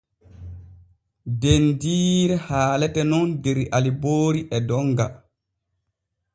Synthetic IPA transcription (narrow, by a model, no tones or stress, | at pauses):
dendiːɾɛhaːlɛtɛnɔndeɾiʔaliboːɾiʔɛdɔŋɡa̰